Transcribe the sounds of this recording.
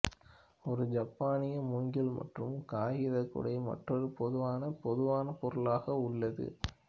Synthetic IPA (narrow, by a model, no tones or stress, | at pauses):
ɔɾɯd͡ʒɐpːaːnɪjɐmʊŋɡɪlmɐ̰ʈrɯmkaːɣɪðɐkːʊ̰ɽɐɪmɐ̰ʈrɔɾɯpɔðɯʋaːnɐpɔðɯʋaːnɐpɔɾɯlaːɣɐʊɭːɐðɯ̰